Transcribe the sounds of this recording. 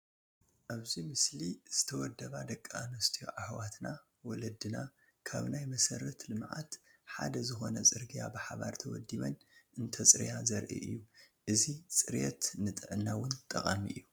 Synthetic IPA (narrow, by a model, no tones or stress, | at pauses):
ʔaβzimɨsliz̥ɨt̪ʰɐwɔd̪ːɐβad̪ɐkʼːaanost̪ʰḭʕaħwat̪na | wɔlɐd̪ɨna | kʰa̰βnajmɐsɐɾɐt̪lɨmʕa̰t̪ħa̰d̪ɐzɨxo̞̰nɐsʼɨɾɡija̰bɨħaβa̰ɾt̪ʰɐwɔ̰d̪iβɐnɨnt̪ʰɐt͡sʼɨɾjazɐɾʔḭʔɨ̰jːu | ʔɨzit͡sʼɨɾjɛt̪nɨt̪ʼɨʕɨnːawʊnt̪ʼɐχʼamiʔɨ̰jːu